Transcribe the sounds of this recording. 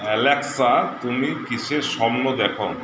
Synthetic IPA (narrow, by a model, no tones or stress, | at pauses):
ɛleksat̪umikiʃʰeʃɔbnod̪ɛkʰo